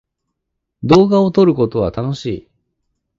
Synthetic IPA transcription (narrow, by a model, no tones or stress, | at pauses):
d̪o̞ːɡao̞t̪o̞ɾɯ̟ko̞t̪o̞β̞at̪ano̞ɕḭː